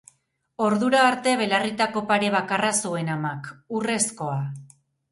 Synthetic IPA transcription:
o̞ɾðuɾaːɾt̪e̞βe̞larit̪ako̞paɾe̞β̞akarasue̞namakure̞sko̞a

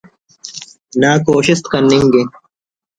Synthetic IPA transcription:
naːkoːɕist̪kɐnːiŋɡe

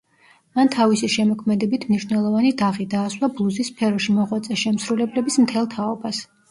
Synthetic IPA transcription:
mant̪ʰavisiʃɛmɔkʰmɛd̪ɛbit̪ʰmniʃnɛlˠɔvanid̪aʁid̪aːswabuzispʰɛɾɔʃimɔʁwat̪sʼɛʃɛmsɾulɛblɛbismt̪ʰɛlˠt̪ʰaɔbas

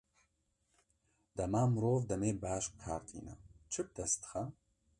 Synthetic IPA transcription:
d̪̥ɐmaːmɨɾoːvd̪ɐmeːbaːʃkʰaːɾt̪ʰḭːna̰t͡ʃʰɨb̚d̪ɐst̪ɨ̥xɐ

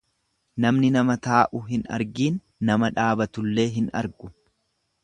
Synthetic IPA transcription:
nɐmnɪnɐmɐt̪aːʔʊɦɪnɐ̰ɾɡiːnː | ɐmɐᶑaːbɐt̪ʊlːe̞ːɦɪnɐ̰ɾɡʊ

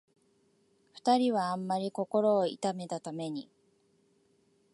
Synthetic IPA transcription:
ɸɯ̟̥t̪aɾʲiβãːmːaɾʲiko̞ko̞ɾo̞ːḭt̪ame̞t̪at̪ame̞ɲ̟i

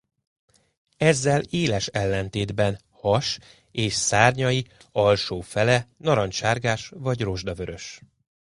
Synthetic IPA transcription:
ɛzːɛleːlɛʃɛlːɛn̪t̪eːd̪bɛn | hɒʃ | eːʃsaːrɲɒjiɒlʃoːfɛlɛnɒɾɒnʃaːrɡaːʃvɒɟro̞ʒd̪ɒvøɾø̞ʃ

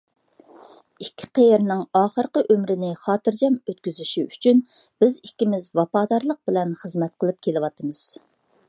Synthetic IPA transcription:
ikʲʰːi̥qejɾnɪŋɑːχəɾqəʔømɾɪnɪχɑːt̪ɨɾd͡ʒɛmøt̪kʲyzyʃiyt͡ʃʰyn | b̥ɪzikʲːimɪzwɑpɑːd̪ɑɾlˠəq̚bɪlɛnχəzmɛt̪̚qʰəlˠɨp̚kʲʰelɪwɑt̪ʰɨmɨz̥

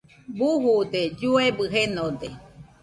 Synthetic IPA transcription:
buɦud̪ed͡ʒuebɨɦenod̪e

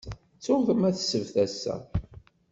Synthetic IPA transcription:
t͡sːʊθəmæθsəvθæsːæ̰

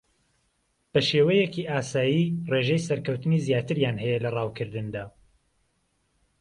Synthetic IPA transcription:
b̥ɐʃeːwɛjɛkiʔaːsaːjireːʒɛjsɐɾkɐwt̪ɨnizjaːt̪ɨɾjaːnɦɛjɛlɐrɑːwkʰɨɾd̪ɨnd̪aː

